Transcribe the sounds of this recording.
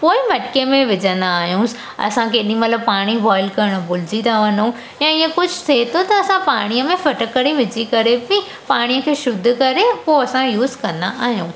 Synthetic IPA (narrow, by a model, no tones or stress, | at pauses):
poːɪmɐʈkemẽʋɪd͡ʑə̃nd̪aːɦijũs | ɐ̰sãkʰeɗĩmɐt̪ləbpaːɽ̃iʋɔːɪlkɐɾɽ̃̆bʊlɪd͡ʑit̪aʋɐnũ | jãɪə̃kʊd͡ʑʱʊseɦt̪ʰot̪ɐɐsãpaːɽ̃ijəmẽfɐʈəkəɽ̃iʋɪd͡ʑʱikɐɾepĩ | paːɽ̃ijəkʰeːʃʊd̪ʱʊkɐɾepoɐsãjuːzkɐ̃nd̪aʔaːɦijũː